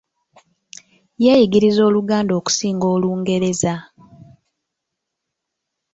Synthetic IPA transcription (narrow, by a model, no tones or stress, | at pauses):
jeːjiɡiɾizo̞ːluɡaːndo̞ːku̥siːŋɡo̞ːluːŋɡe̞ɾe̞za